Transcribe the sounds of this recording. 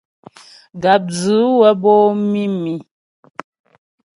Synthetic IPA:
ɡa˨p̚d͡zɨ˨˦wə˦bɔ˦mi˦mi˨

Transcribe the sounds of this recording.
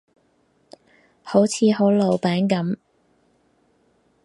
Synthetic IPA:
ho˨˥wt͡sʰiː˨˧ɦo˨˥wlo˨˧wpɛː˨˥ŋkɐ˨˥m

